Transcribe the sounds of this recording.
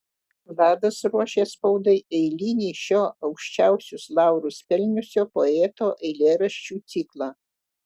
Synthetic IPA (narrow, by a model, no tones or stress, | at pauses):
lɑːd̪ɐsɾuɔʃʲeːspɒʊd̪ɐɪʔɛɪlʲiːnʲiːʃʲoːɐʊkʃʲt͡ʃʲɛˑʊsʲʊslˠɑˑʊɾʊspʲɛlʲnʲʊsʲoːpoɛːt̪oːʔɛɪlʲeːɾɐʃʲt͡ʃʲuːt̪sʲiklˠɑː